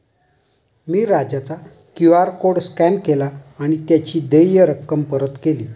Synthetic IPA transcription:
miːɾad͡ʑat͡sa | kjuaɾkoɽskɛnkelaːɽ̃it̪jat͡ɕiːd̪ejjəɾəkːəmpəɾət̪kelḭː

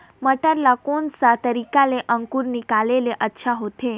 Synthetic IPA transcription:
məʈaɾlakonsat̪əɾikaleʔəŋkuɾnikaleleʔətːʃʰaɦot̪ʰe

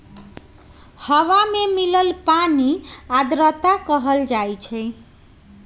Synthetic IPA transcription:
hʌwamemilʌlpaniad̪ɾʌt̪akʌɦʌld͡ʒajt͡ʃʰəj

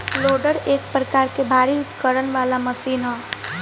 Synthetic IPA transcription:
loːɖəɾeːk̚pɾəkaːɾkebʱaːɾikəɾənʋaːlamɐsiːnɦɛ̃ː

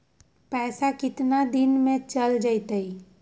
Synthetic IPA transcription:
pɛːsakɪt̪nad̪ɪnmẽt͡ʃəld͡ʒaɪt̪əi

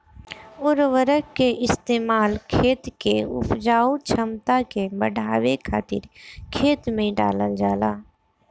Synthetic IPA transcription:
ʊɾʋəɾəkkːeʔɪst̪eːmaːlkʰeːt̪keʊ̰pʰd͡ʒaːut͡ʃʰəmt̪akebəɽʱaːwekʰaːt̪ɪ̰ɾkʰeːt̪mẽɖa̰ːləld͡ʒaːlaː

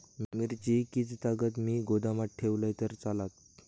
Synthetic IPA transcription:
mmiɾt͡ɕikit͡st̪aɡət̪miːɡod̪amaʈʈʰeʋlajt̪əɾt͡salat̪̚

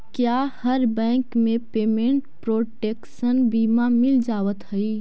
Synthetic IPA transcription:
kjahəɾbɛ̃kmepemẽɳʈpɾoʈeksənbimamild͡ʒaʋət̪ɦəj

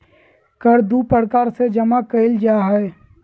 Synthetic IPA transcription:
kəɾd̪upəɾkaːɾsed͡ʒɐmakəɪld͡ʒaːɦɛe

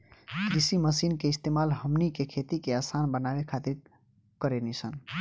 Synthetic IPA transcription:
kɾisiməsinkeist̪emalɦəmnikekʰet̪ikeasanbənabekʰat̪ɾit̪ | kəɾenisʰən

